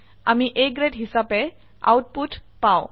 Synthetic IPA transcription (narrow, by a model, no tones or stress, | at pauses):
a̰miʔek̚ɡɾeʈɦisape | a̰wʈ̚puʈpaw